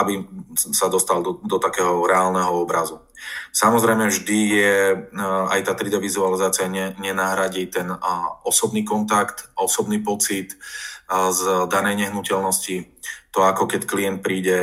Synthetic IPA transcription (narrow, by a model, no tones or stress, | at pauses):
abisad̪ɔst̪ald̪ɔt̪akɛːɦɔɾɛaːlnɛɦɔɔbɾazu | samɔzɾɛjmɛvʒd̪ijɛ | a̰jt̪aːt̪ɾid̪ɛʋizualizaːt͡siɪaɲɛɲɛnaɦɾaɟit̪ɛnɔsɔbniːkɔnt̪akt̪ɔsɔbniːpɔt͡sit̪ | zd̪anɛjɲɛɦnucɛlnɔscit̪ɔakɔkɛckliɛnt̪̚pɾiːɟɛ